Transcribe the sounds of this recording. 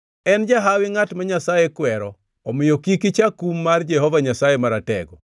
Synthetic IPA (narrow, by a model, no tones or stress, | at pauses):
ɛnd͡ʒaɦawɪŋatmaɲasajekwɛɾɔ | ɔmɪjokikit͡ʃakumːard͡ʒɛɦɔvaɲasajemaɾatɛɡɔ